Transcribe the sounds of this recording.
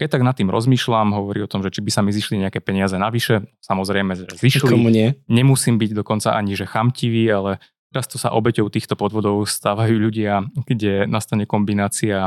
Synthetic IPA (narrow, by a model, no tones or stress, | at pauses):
kɛc̚t̪aɡnat̪ːiːmɾɔ̰zmiːʃlamɦɔʋɔɾḭɔt̪ɔmʒɛt͡ʃibisamiziʃliɲɛakɛːpɛɲɪazɛnaʋiʃɛsamɔzɾɛjmɛʒɛziʃlkɔmuɲɪɛɲɛmusiːmbiɟd̪ɔkɔnt͡saʔaɲiʒɛxamciʋiːalɛ | t̪ɛɾast̪ɔsa̰ʔɔbɛcɔʊt̪iːxt̪ɔpɔd̪ʋɔd̪ɔʊst̪aːʋajuːʎuɟɪaɡ̥ɟɛnast̪aɲɛkɔmbinaːt͡sia